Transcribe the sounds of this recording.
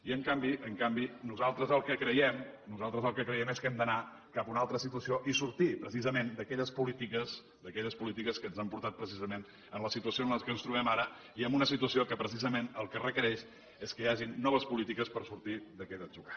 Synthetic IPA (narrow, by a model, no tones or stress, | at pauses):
iəŋkambiʔəŋkambinuzalˠt̪ɾəzəlˠkəkɾəjɛmnuzalˠt̪ɾəzəlˠkəkɾəjɛmeskɛmd̪əna | kapunalˠt̪ɾəsit̪uəsioʔisuɾt̪ipɾəs̬izəmend̪əkɛʎəspulit̪ikəz | d̪əkɛʎəspulit̪̬ikəskənzampuɾt̪at̪̚pɾəs̬izəmen | ənləsit̪uəsionəskənst̪ɾuβɛmaɾə | iəmunəsit̪uəsiokəpɾəs̬izəmenəlˠkərəkəɾɛʃ | eskəjaʒinːɔβəspulit̪ikəspəɾsuɾt̪iðəkɛd̪əʒuɣa